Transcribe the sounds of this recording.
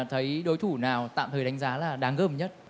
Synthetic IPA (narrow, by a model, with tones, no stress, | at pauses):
t̪ʰə˨˦jɗo˨˦jt̪ʰu˧˩naː˨˩wt̪a̰ː˧˨mt̪ʰəː˨˩jɗa˨˦ŋ̟zaː˨˦laː˨˩ɗaː˨˦ŋɣəː˧˩mɲə˦˥t̚